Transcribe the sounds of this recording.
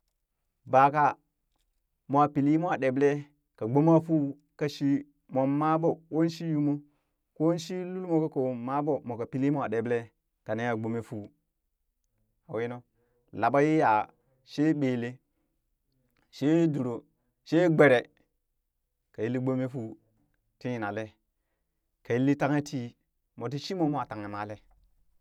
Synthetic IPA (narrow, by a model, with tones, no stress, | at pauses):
ba˨ka˦ | mo˨a˨pi˨li˦mo˦a˨ɗe˨ble˦ | ka˨ɡ͡bo˦ma˦fu˦˨ | ka˦ʃi˦ | mo˨mːa˦bo˨ko˦n˦ʃi˦ju˦mo˦ | ko˦n˦ʃi˦lu˦lmo˦ka˦ko˨ma˦bo˦mo˨ka˨pi˨˦li˦mo˦a˨ɗe˨ble˦ | ka˨ne˦ja˨ɡ͡bo˦me˦fu˦˨ | a˨we˦no˦ | la˨ba˦ji˦ja˨ | ʃe˦ɓe˨le˦ | ʃe˦du˨ɾo˨ | ʃe˦ɡ͡be˨ɾe˨ | ka˨ji˦lːi˦ɡ͡bo˦me˦fu˨ | ti˦ji˨na˨le˦ | ka˨ji˦lːi˦ta˦ŋe˦ti˦ | mo˨t̬i˦ʃi˦mo˦mo˦a˨ta˨ŋe˨ma˨˦le˦